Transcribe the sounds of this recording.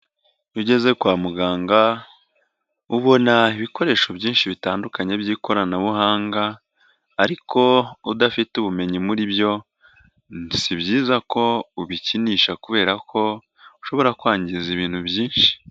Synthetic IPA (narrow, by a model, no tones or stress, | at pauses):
juɟe̞ze̞kwaːmuɡaːŋɡa | uβo̞naiβiko̞ɾe̞ːʃo̞bɟiːnʃiβitaːndukaɲe̞bɟiːko̞ɾanaβuɦaːŋɡaː | ɾikʰo̞udafituβume̞ɲimuɾiβjo̞ | nsiβɟiːzako̞uβiciniːʃakuβe̞ːɾakʰo̞ | uʃo̞βo̞ɾakwaːɲɟiziβiːn̥hubjiːnʃi̥